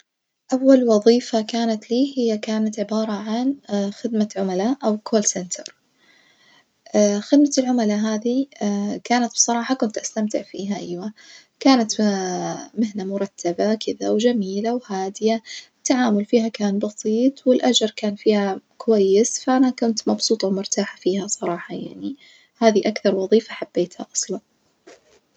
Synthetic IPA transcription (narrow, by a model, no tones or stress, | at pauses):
ʔawːalwɑðˤiːfakaːnat̪liːhɪjːakaːnat̪ʕɪbɑːɾˤɑʕanxɪd̪maʕʊmalaʔawkʰoːlsɛnt̪ʰɑɾˤ | xɪd̪maɪlʕʊmalaɦaːðikaːnat̪̚b̥sˤɑɾˤɑːħɑkʊnt̪ʔast̪amt̪ɪʕfḭːɦaʔajwa | kaːnat̪ | mɪhnamʊɾˤɑt̪ːabakʰɪðawd͡ʒamiːlawhaːd̪ɪjat̪ːaʕaːmʊlfiːhakaːnbɑsˤiːt̪ˤwɪlʔad͡ʒɑɾˤkaːnfiːhakʊwajːɪsfaʔanakʊnt̪mɑbsuːt̪ˤɑwmʊɾt̪aːħafiːhasˤɑɾˤɑːħɑja̰ʕni | haːðiʔakθɑɾˤwɑðˤiːfaħab̥ːeːt̪ha̰ʔɑsˤlɑn